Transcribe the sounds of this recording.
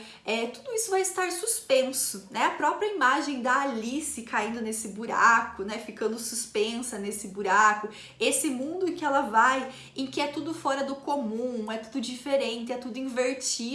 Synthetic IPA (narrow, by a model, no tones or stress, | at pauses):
ɛt̪ud̪ʊisʊvajɪst̪aɾsuspẽsʊnɛɐpɾɔpɾiɐimaʒẽj̃d̪ɐːlisɪkaĩnd̪ʊnesɪbuɾa̰kʊnɛfikɐ̃nd̪ʊsuspẽsɐnesɪbuɾakʊ | esɪmũnd̪ʊẽkɪɛlɐvaj | ẽkɪɛt̪ud̪ʊfɔɾɐd̪ʊkomũɛt̪ud̪ʊd͡ʒifeɾẽnt̪ɪɛt̪ud̪ʊĩveɾt͡ʃi